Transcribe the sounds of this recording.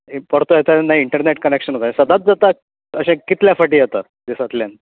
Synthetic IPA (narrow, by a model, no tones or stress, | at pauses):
pəɽt̪ojɛt̪anaɦiiɳʈəɾneʈkənekɕənɦot̪ãsəd̪at̪̚d͡zat̪a | əɕẽkit̪ljafəʈiːet̪a | d̪isat̪ljan